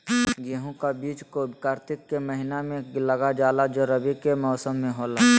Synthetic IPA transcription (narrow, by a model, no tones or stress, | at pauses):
ɡeɦõkabiːt͡ʃkobkaːɾt̪ɪkːeməɦɪnamẽləɡad͡ʒaːlad͡ʒoɾəbikemɔːsəmːẽɦoːlaː